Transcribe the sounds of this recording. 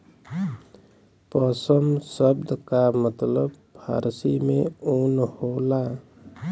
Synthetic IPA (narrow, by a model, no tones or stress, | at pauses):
pəsəmsəbd̪kamət̪ləb | pʰa̰ɾsimẽonhola